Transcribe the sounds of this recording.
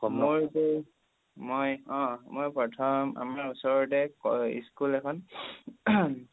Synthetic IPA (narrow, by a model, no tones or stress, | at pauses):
kɔmoɹte | mojɔ̃mojpɹɔtʰɔma̰maɹusɔɹtɛkɔḭskulɛkʰɔn